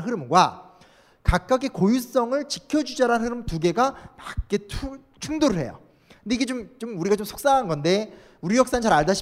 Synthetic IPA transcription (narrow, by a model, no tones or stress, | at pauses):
nɦɯɾɯmɡwa | kak̚k͈aɡekojus͈ʌŋɯɭt͡ɕikʰjʌd͡ʑud͡ʑaɾannhɯɾɯmtuɡe̞ɡapak̚k͈etʰ | t͡ɕʰuŋdoɾɯɭhe̞̰jo̰ | kɯnde̞iɡe̞t͡ɕomt͡ɕomuɾiɡat͡ɕomsʰo̥k̚s͈aɦanɡʌnde̞ | uɾijʌks͈anɯt͡ɕaɾaɭdaɕʰ